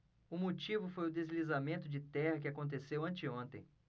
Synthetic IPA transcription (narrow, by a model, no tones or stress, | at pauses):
ʊmot͡ʃivʊfojʊd̪ezlizamẽnt̪ʊd͡ʒɪt̪ɛhɐkɪakõnt̪̬esewɐ̃nt͡ʃɪõnt̪ẽj̃